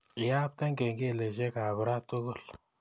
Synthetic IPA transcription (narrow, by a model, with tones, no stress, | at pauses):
ja˦p̚t̪a˦ŋɡe˨ŋɡe˦˨le˨ʃe˦ka˨βə˨ɾa˦tʊ˦ɣʊ˦˨l